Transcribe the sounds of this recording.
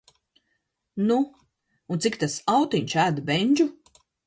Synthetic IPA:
nuː | nt̪ikt̪asawt̪iɲʲt͡ʃæːd̪bɛɲʲd͡ʒu

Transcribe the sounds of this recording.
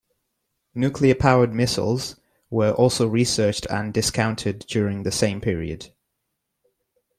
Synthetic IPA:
njʉˑkʰliəpʰaʊəd̚mɪsə̰l̩ˠz | wəɹʔɔˑlˠsoʊɹisɜˑt͡ʃtʰə̰̃ndɪskʰãʊ̃ntʰɪdd͡ʒjɔːɹɪ̃ŋðəsẽɪ̃mpʰɪəɹḭə̰d̥

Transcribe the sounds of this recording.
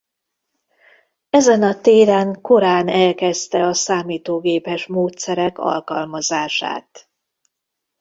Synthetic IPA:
ɛzɛnɒt̪eːɾɛŋko̞ɾaːnɛlkɛst̪ɛɒsaːmiːt̪oːɡeːpɛʃmoːt̪sɛɾɛkɒ̰lkɒlmɒzaːʃa̰ːt̪

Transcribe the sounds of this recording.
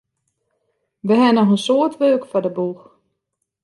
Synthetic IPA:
ʋəɦɛnɔxənsoːətʋøːkfɔdəbux

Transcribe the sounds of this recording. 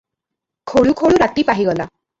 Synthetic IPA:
kʰoɭukʰoɭuɾat̪ipaɦiɡɔla

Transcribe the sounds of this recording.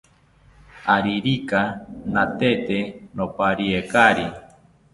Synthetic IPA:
aɾiɾikanat̪et̪enopaɾiekaɾi

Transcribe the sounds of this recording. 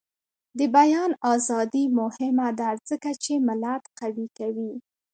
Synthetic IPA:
d̪əbajɑnɑzɑd̪imʊhɪmad̪azəkat͡ʃemɪlat̪qawikawi

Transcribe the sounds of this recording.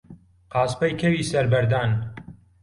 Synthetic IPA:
qɑːspɐjkʰɐwiːsɐɾbɐɾd̪aːn

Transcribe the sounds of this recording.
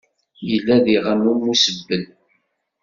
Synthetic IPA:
jəlːæðiʁənumːusəbːən

